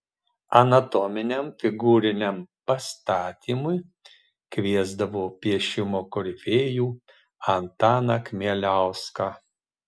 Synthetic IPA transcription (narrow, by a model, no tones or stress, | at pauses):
ɐnɐt̪ɔmʲɪnʲɛmfʲɪɡuːɾʲɪnʲɛmpɐst̪ɑːt̪ʲiːmʊj | kʋʲiɛzd̪ɐʋoːpʲiɛʃʲɪmoːkɔɾʲɪfʲeːjuː | ɐnt̪ɑːnɐkmʲiɛlʲæˑʊskɑ